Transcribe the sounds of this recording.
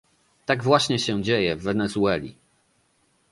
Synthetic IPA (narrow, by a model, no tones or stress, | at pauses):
t̪aɡvwaɕɲɛɕɛd͡ʑejɛvːɛnɛzuɛlʲḭ